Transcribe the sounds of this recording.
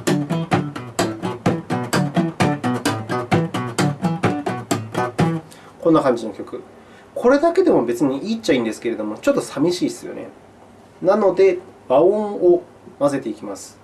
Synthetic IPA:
kõ̞nːakãɲ̟d͡ʑino̞kʲo̞kɯ̟ | kʰo̞ɾe̞d̪ake̞d̪e̞mo̞be̞t͡sɨɲ̟iʔiːt͡ɕːaĩːnd̪e̞sɨ̥ke̞ɾe̞d̪o̞mo̞t͡ɕo̞t̪ːo̞samʲiɕiːsɨjo̞̰nḛ | nano̞d̪e̞baõo | mase̞t̪e̞ikʲimasɨ̥

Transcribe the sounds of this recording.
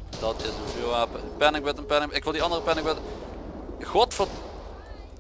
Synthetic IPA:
d̥ɑtɪsənvuaːpəpɛnɪk̚bɪtənpɛnɪŋɪkʋɪlˠdiɑndərəpɛnɪkbɪt | ɣɔtfɔ

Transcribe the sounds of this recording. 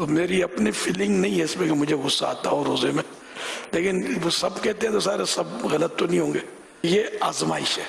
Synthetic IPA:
t̪oːmeːɾiɐpnifʰɪlɪ̃ŋɡnɐɦĩɦɛɪsmẽkemʊd͡ʒʱeɣʊsːaa̰ːt̪aɦoːɾoːzemẽ | leːkɪnʋoːsɐbkɛɦt̪ẽɦɛ̃t̪os̬aːɾesɐbɣɐlət̪ːonɐɦĩɦõːŋɡeː | jeaːzmaːɪʃɦɛː

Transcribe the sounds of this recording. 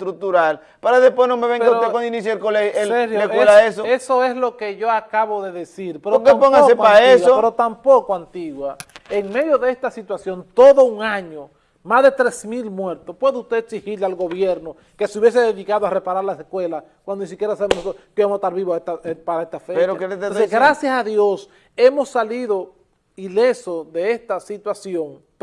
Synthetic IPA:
t̪ɾuk̚t̪uɾal | paɾaðehpwenomeβeŋpowand̪oinis̬joelkoleeseɾhjoeswelaesoesoe̞slo̞ke̞ʝo̞akaβoðe̞ðesiɾpeɾokepoŋɡaoeɾaesopeɾot̪ampokoant̪iɣwaeŋme̞ðjo̞ðeest̪asit̪wasjo̞nt̪o̞ðo̞uŋaɲo | mazðe̞t̪ɾe̞smilmwe̞ɾt̪ospwe̞ðeust̪esihiɾlealɡo̞βjeɾno | ke̞seuβje̞s̬eðeðikaðoare̞paɾaɾlaseskwe̞la | kwand̪onis̬ikjeɾasaβemonsookeβemoset̪aɾβiβoet̪apaɾaest̪afet͡ʃaoseɡɾasjasaðjo̞s | e̞mo̞sːaliðo | ilesosðe̞est̪asit̪wasjo̞ŋ

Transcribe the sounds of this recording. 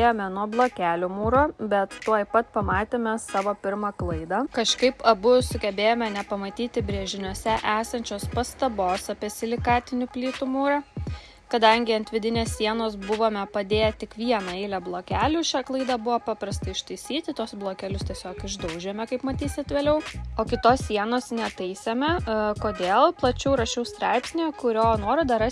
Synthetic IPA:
ejoːmʲɛnuɔblˠoːkʲæːlʲʊmuːɾoːbʲɛt̪ːuɔjpɐt̪pɐmɑːt̪ʲeːmʲɛsɑːʋoːpʲɪɾmɑːklˠɐɪd̪ɑːkɐʃkɐɪpɐbʊsʊɡʲɛbʲeːjoːmʲɛnʲɛpɐmɐt̪ʲiːt̪ʲɪbʲɾʲeɛʒʲɪnʲuɔsʲɛʔæːsɐnʲt͡ʃʲoːspɐst̪ɐboːsɐpʲiɛsʲɪlʲɪkɑːt̪ʲɪnʲʊpʲlʲiːt̪ʊmuːɾɑ | kɐd̪ɐŋʲɡʲɪɐnt̪ʲʋʲɪd̪ʲɪnʲeːssʲiɛnoːs̬bʊʋoːmʲɛpɐd̪ʲeːjɛt̪ʲɪkʋʲiɛnɐɛɪlʲɛblˠoːkʲæːlʲʊʃʲæklˠɐɪd̪ɑbʊʋɐpɑːpɾɐst̪ɐɪɪʃt̪ɐɪsʲiːt̪ʲɪt̪uɔsblˠoːkʲælʲʊst̪ʲiɛsʲoːkɪʒd̪ɐʊʒʲɛmʲɛkɐɪpmɐt̪ʲiːsʲɪt̪ʋʲeːlʲɛʊoːkʲɪt̪oːssʲiɛnoːsnʲɛt̪ɐɪsʲemʲɛkoːd̪ʲeːlˠplˠɐt͡ʃʲɛʊɾɐʃʲɛʊst̪ɾɑɪpsʲnʲeːkʊɾʲoːnoːɾɪd̪ɐɾɑ

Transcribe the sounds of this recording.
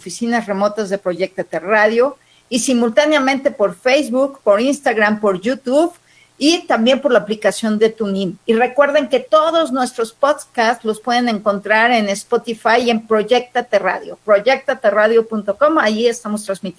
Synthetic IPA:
fisinasre̞mo̞t̪azðe̞pɾo̞ʝek̚t̪at̪eraðjo̞ | isimult̪aneamẽnt̪e̞po̞ɾfejzβukpo̞ɾinst̪aɣɾampo̞ɾʝut̪uβ | it̪ambje̞mpo̞ɾlaːplikasjo̞nd̪e̞t̪unĩmire̞kwe̞ɾðe̞ŋke̞t̪o̞ðo̞znwe̞st̪ɾo̞spoðkast̪lo̞spwe̞ðe̞nẽ̞ŋko̞nt̪ɾaɾe̞nespot̪ifaje̞mpɾo̞ʝek̚t̪at̪era̰ðjo̞pɾo̞ʝe̞k̚t̪at̪eraðjo̞punt̪o̞ko̞maʝie̞st̪amo̞st̪ɾanzmit̪

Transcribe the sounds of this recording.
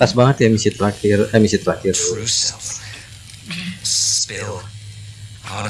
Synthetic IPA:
t̪asbaŋət̪jamisit̪əlakɪramisit̪əlakɪr

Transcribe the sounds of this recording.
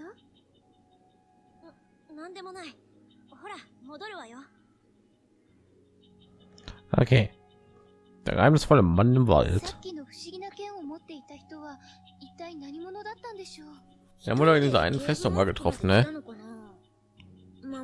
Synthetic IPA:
a | nãnd̪e̞mo̞nai | ho̞ɾamo̞d̪oɾɯ̟βajo | ʔʔo̰kʰeː | d̥a̰ɡʔa̰ɪmnəsfɔlɪmːanɪmva̰ltkʲino̞ɸɯ̟̥ɕiɡʲinakẽ̞ɰ̃o̞mo̞t̪ːe̞it̪açi̥t̪o̞βa | it̪ːainaɲ̟imo̞no̞d̪at̪ːãnd̪e̞ɕo̞̥ː | ia̰moɾɔɪndiːzɐʔa̰ɪnənfɛstoŋmaːɡətʁ̥ɔfn̩nːɛnoa

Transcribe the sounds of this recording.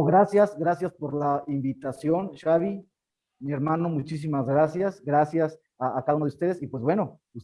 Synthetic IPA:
ɣɾasjasɡɾasjaspo̞ɾlaimbit̪asjo̞nʃaβi | mieɾmãno̞mut͡ʃis̬imazɣɾasjasɡɾasjas | aːkaunoust̪e̞ðe̞sipwe̞zbwe̞no̞ | us

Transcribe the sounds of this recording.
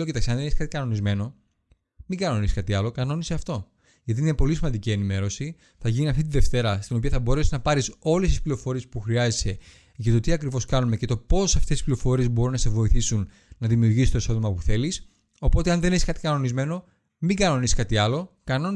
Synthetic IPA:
oceit̪ɐksɐnðenesi̥skɐt̪ikɐno̞nizme̞no̞ | miɡɐno̞nisi̥skɐt̪iɐlo̞kɐno̞niseɐft̪o̞ | ʝɐt̪̬iinepo̞lis̬imɐnd̪icie̞nime̞ɾo̞si | θɐʝiniɐft̪it̪iðe̞ft̪e̞ɾɐst̪ino̞piɐθɐbo̞ɾesiznɐpɐɾiso̞le̞st̪isplio̞fo̞ɾie̞spuxɾiɐzese̞ | ʝɐt̪o̞t̪iɐkɾivo̞skɐnume̞ce̞t̪opo̞sɐft̪esi̥spliofo̞ɾie̞zbo̞ɾunɐse̞vo̞iθisun | nɐðimiuɾʝisist̪osoðimɐpuθe̞lis | o̞po̞t̪eɐnðe̞nesiskɐt̪ikɐno̞nizme̞no̞ | miɡɐno̞nisi̥skɐt̪iɐlo̞kɐno̞

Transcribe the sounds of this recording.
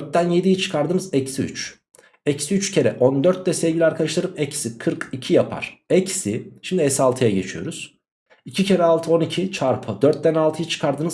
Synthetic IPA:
ɾt̪̚d̪ænje̞d̪ijit͡ʃʰɯ̥kʰaɾd̪ɯnɯzɛcsiy̰t͡ʃ | ɛcsiyt͡ʃcʰe̞ɾɛʔond̪øɾt̪̚d̪ɛsɛvɟʲilʲiaɾkʰalɯʃlˠaɾɯmɛcsikʰɯɾkicʰijapʰa̰ɾ̥ɛcsḭʃimd̪iɛsalˠt̪ʰɯjaɟe̞t͡ʃʰijo̞̰ɾuz̥ | icʰicʰe̞ɾɛalˠt̪ʰɯo̞nicʰit͡ʃʰaɾpʰɯd̪øɾt̪̚d̪ænalˠt̪ʰɯjɯt͡ʃʰɯ̥kʰaɾd̪ɯnɯz

